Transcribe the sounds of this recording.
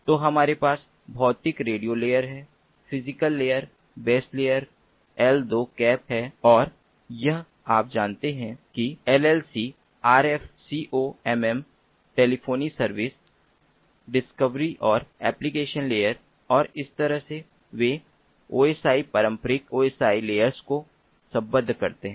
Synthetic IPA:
t̪oːɦɐmaːɾepaːs | bʱɔːt̪ɪkɾeːɖijoleːjəɾɦɛː | pʰɪzɪkəlːeːəɾ | beːsleːjəɾ | ɛld̪oːkɛːpɦɛːɔːɾ | jɐɦ | aːp̚d͡ʒaːnt̪eɦɛ̃kiɛlɛːlsi | aːɾɛfsiːʔoːɛmɛ̃m | ʈeːlipʰoːnisɐɾʋɪs | ɖɪskəʋɾiʔɔːɾɛːplikeːʃənleːjəɾ | ɔːɾɪst̪ɐɾəɦse | ʋe | oːeːsaːipɐɾə̃mpəɾɪkoːeːsaːileːjəɾzko | sɐ̃bə̃nd̪ʱkɐɾt̪eɦɛ̃ː

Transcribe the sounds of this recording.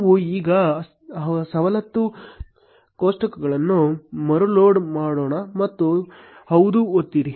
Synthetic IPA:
ʋuiːɡɐ | sɐʋɐlɐt̪ːu | koːʂʈɐkɐɡɐɭɐnːumɐɾuloːɖmaːɽoːɳɐmɐt̪ːuhɐwd̪uot̪ːiɾi

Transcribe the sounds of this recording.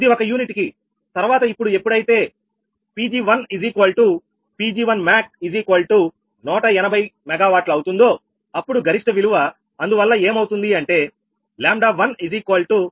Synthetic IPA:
d̪iɔkɐjuːniʈiki | t̪ɐɾuʋaːt̪ɐipːuɽue̞pːuɽɐjit̪e̞ː | piːd͡ʒiːʋɐniziːkɐlʈu | piːd͡ʒiːʋɐnmaːk̚id͡ʒiːkolʈu | nɔːʈɐɛnɐbʱɐjmɛɡaːʋaːʈluɐwt̪und̪o̞ː | ɐpːuɽuɡʱɐɾiʂʈɐʋiluʋɐ | ɐnd̪uʋɐlːɐeːmɐwt̪und̪iɐɳʈe̞ː | laːmɖaːʋɐniziːkolʈu

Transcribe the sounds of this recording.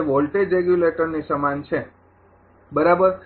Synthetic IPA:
ʋolʈed͡ʒɾeɡjuleʈəɾnisəmant͡ʃʰe | bəɾabəɾ

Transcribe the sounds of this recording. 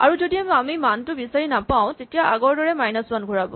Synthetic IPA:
a̰ɹuzodiamamimantʊbisaɹinapaʊ̃tetijaʔaɡɔɹdɔɹɛmajnɔswanɡʱuɹabɔ̰

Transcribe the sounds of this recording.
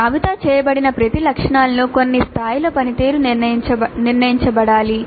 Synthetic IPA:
ɐʋit̪aːt͡ʃɛːjɐbɐɽinɐpɾɐt̪ilɐkʂɐɳaːlɐnoːkonːist̪ʰaːjiloːpɐnit̪iːɾunt͡ʃɐniɾnɐjiɲt͡ʃɐbɐɽaːli

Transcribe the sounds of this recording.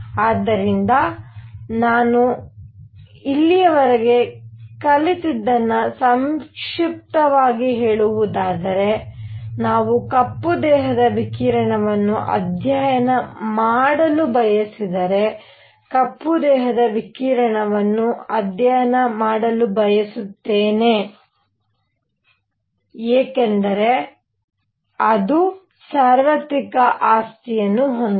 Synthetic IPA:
aːd̪ːɐɾind̪ɐ | naːnu | ilːijɐʋɐɾɐɡe̞kɐlit̪id̪ːɐnːɐsɐmʂip̚t̪ɐʋaːɡiɦeːɭuʋud̪aːd̪ɐɾe̞naːʋukɐpːud̪ɛːɦɐd̪ɐʋikiːɾɐɳɐʋɐnːuʔɐ̰d̪ʱjaːjɐnɐmaːɽɐlubɐjɐsid̪ɐɾe̞ | kɐpːud̪ɛːɦɐd̪ɐʋikiːɾɐɳɐʋɐnːuɐd̪jaːjɐnɐmaːɽɐlubɐjɐsut̪ːeːne | eːkend̪ɐɾe̞ | ɐd̪u | saːɾʋɐt̪ikɐʔaːst̪ijɐnːuɦond̪

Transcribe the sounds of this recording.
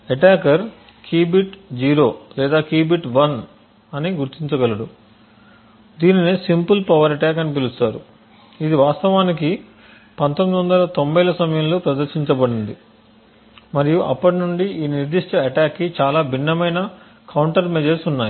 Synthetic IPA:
eʈaːkɐɾ | kʰiːbiʈd͡ʒiːɾo̞ːlɛːd̪aːkiːbiʈʋɐn | ɐniɡuɾt̪iɲt͡ʃɐɡɐlɐɽu | d̪iːninisimpulpɐʋɐɾɐʈaːk̬ɐnip̬ilust̪aːɾu | id̪iʋaːst̪ɐʋaːnik̬i | pɐnt̪omːid̪iʋɐnd̪ɐlɐt̪o̞mbɐjlɐsɐmɐjɐmlo̞ːpɾɐd̪ɐɾʃiɲt͡ʃɐbɐɽind̪i | mɐɾijuʔɐ̰pːɐʈinuɳɖiiːniɾd̪iʂʈɐɐʈaːkːit͡ʃaːlaːbʱinːɐmɐjnɐ | kɐwɳʈɐɾmed͡ʒɐɾsunːaːji

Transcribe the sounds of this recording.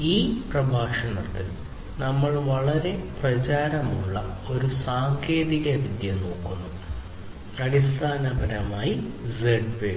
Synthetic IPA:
iːprɐbʱaːʂɐɳɐt̪ːil | nɐmːɐɭʋɐɭɐɾe̞prɐt͡ɕaːɾɐmuɭːɐo̞ɾusaːŋkʰeːðiɣɐʋid̪jɐno̞ːkːunːu | ɐɽist̪ʰaːnɐbɐɾɐmaːjizeɖpeː

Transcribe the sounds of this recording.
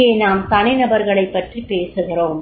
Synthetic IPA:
eːnaːmk̪ɐnɐɪnɐbɐɾɣɐɭɐɪpːɐʈripeːsɯɣɪroːm

